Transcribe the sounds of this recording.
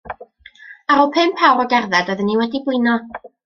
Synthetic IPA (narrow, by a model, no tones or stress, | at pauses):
aɾɔpʰɨmpʰawrɔɡɛrðɛdəðənːiwɛdiɡwɨnɔ